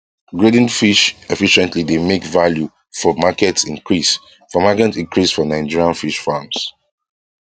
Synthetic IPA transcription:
ɡɹedĩnfiʃɛfiʃɛ̃ntlidemekvalju | fɔmakɛtĩŋkɹis | fɔmakɛtĩŋkʰɹisfɔnaɪd͡ʒiɹiãnfiʃfams

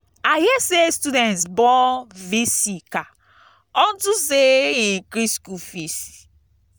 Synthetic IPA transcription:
ahiɛsestudɛ̃ntsbɔ̃visika | ɔ̃ntuseĩkɾiskufisi̥

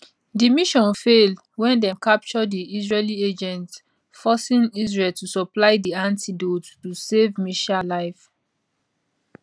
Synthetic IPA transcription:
dimiʃɔ̃nfel | wɛ̃ndɛkap̚t͡ʃɔdiizɹelied͡ʒɛ̃nt | fɔsĩnizɹeltusɔplaɪdiãntidottusevmiʃalaɪf

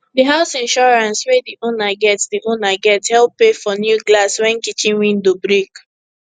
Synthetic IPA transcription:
diɦaʊsĩnʃɔɹãnswediʔonaɡɛtsdiʔonaɡɛthɛlpːefɔnjuɡlaswɛ̃nkit͡ʃĩnwĩndobɹik

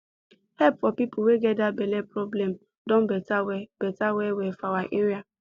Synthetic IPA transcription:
hɛpfɔpipuweɡɛt̚dabɛlɛpɹɔblɛm | dɔ̃nbɛtawɛb̥ɛtawɛwɛfawaʔeɹia

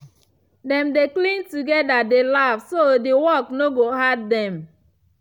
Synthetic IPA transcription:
dɛ̃mdeklĩntuɡɛdadelavsodewɔknoɡoɦaddɛ̃m

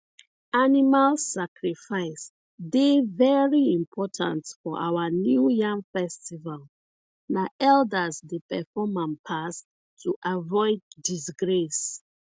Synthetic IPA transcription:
animalsakɹifaɪs | devɛɹiĩmpʰɔtʰã̰ntfɔʔa̰wanjujãŋfɛstival | naʔɛldəsdepɛfɔmãmpʰas | tʰuʔavɔɪd̚ːisɡɹes

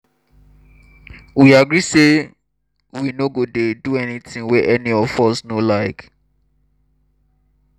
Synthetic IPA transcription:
wiaɡɹise | winoɡodeduɛnitɪ̃ŋwɛʔɛniɔfɔsnolaɪk

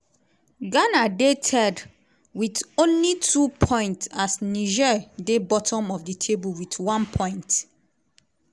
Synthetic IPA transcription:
ɡanadetʰɛd | witõnlitʰupʰɔ̃ɪ̃ntsasniʒɛdebɔtʰɔ̃mɔfditʰebulwitwãnpʰɔ̃ɪ̃nt

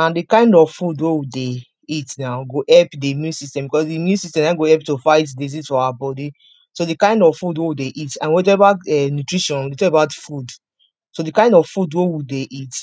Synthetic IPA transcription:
ãndikãɪ̃ndɔvfudwewide | itnaʊɡoʔɛlpdimjũnsistɛ̃mbikɔsdimjũnsistɛ̃mnãɡoɛlp̚tofaɪtdezitɔawabɔdi | sodikãɪ̃ndɔvfudwewideʔitãnwɔt̬ɛvaɛnutɹiʃɔ̃ndetɔkebaʊtfud | sodikãɪ̃ndɔvfudwewideʔit

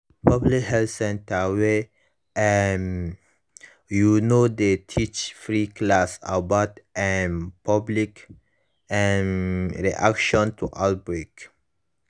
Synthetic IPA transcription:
pʰablikhɛlsɛ̃ntawe | ɛn | junod̪ətʰit͡ʃfɹiklasa̰batʔɛnpʰablik | ɛnɹḭʔa̰kʃɔ̃ntʰuʔabɹik

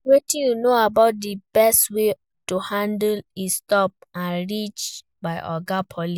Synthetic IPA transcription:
wetĩnjunoabaʊt̚dibɛstwe | tuhãndlistɔp̚ãnɾit͡ʃ | baɪʔɔɡapʰɔli

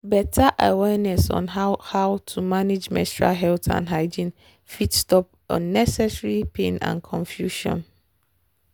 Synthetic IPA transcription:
bɛtʰaʔawɛnɛsɔ̰̃nɦahawtʰumãned͡ʒmɛ̰̃stɹa̰ɦɛltʰã̰nɦaɪd͡ʒĩn | fitstɔp | ɔ̰̃nːɛsɛsɹipʰẽnã̰nkʰɔ̃ɱfjuʃɔ̰̃n

